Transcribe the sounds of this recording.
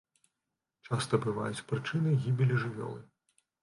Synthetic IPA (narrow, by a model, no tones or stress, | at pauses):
t͡ʂast̪ɐbɨva̰jut͡sʲpɾɨt͡ʂɨnɨɣʲibʲilʲiʐɨvʲɔ̰lˠɨ